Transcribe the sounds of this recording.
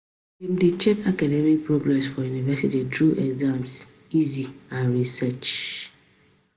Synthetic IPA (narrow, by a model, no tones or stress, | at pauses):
imdet͡ʃɛtʰakadɛmik̚pɹoɡɹɛsfɔjunivɛsititɹuʔɛɡzãms | iziãnɹisɛt͡ʃ